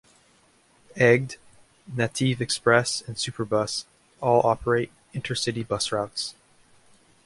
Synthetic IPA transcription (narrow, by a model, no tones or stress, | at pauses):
ɛɡ̚d | nɨtʰivɨkspɹɛsɨ̃nsʉpʰə˞bʌs | ɔlˠɑpʰə˞eɪɾ̚ | ɪ̃ntʰə˞sɪɾibʌsɹaʊts